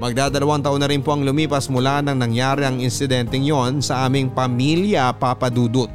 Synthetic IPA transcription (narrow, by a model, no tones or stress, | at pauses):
mɐɡ̚d̪aːd̪ɐlɐwaŋt̪ɐʔonɐɾɪnpo̞ʔɐŋlʊmiːpɐsmʊlanɐŋnɐŋjaːɾɪɐŋɪnsɪd̪ɛnt̪ɛŋjo̞nsɐʔaːmɪŋpɐmiljɐpapɐd̪uːd̪ot̪̚